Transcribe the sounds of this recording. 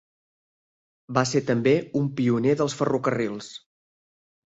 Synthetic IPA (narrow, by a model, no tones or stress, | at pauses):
baseɾt̪əmbeumpiuneðəlˠsfərukərilˠs